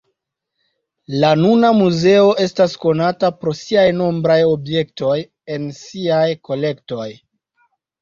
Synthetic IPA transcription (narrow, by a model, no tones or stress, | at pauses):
lanunamuze̞o̞ʔe̞stasko̞natapɾo̞siajno̞mbɾajo̞bje̞k̚to̞j | e̞nsiajko̞le̞kto̞j